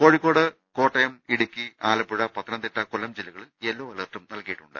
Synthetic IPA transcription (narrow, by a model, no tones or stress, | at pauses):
ko̞ːɻikːo̞ːɽɨ | ko̞ːʈːɐjɐmiɽukʲːiaːlɐpːuɻɐpɐt̪ːɐnɐnd̪iʈːɐkulɐmd͡ʑilːɐɣɐɭelːoːɐlɐrʈːɐmnɐlkɐjiʈːuɳɖɨ̰